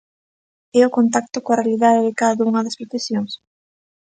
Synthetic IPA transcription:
ɛʊkont̪̬ak̚t̪ʊkoɐrealiðaðeðekaððuŋɐðɐspɾefesjoŋs

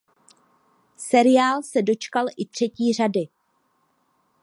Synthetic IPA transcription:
sɛɾɪaːlsɛdo̞t͡ʃkalʔɪt̪r̝̥ɛciːr̝adɪ

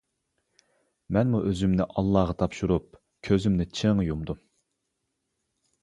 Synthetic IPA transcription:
mɛnmuʔøzymnɪʔɑlˠːɑʁɑt̪ʰɑpʃuɾup̚ | kʲʰøzymnɪt͡ʃʰeŋjumd̪u

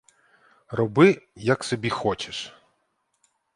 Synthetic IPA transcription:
rɔbɪjɐksɔbʲixɔt͡ʃeʃ

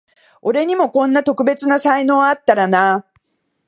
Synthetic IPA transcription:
o̞ɾe̞ɲ̟imo̞kõ̞nːat̪o̞kɯ̟be̞t͡sɨnasaino̞ːat̪ːaɾana

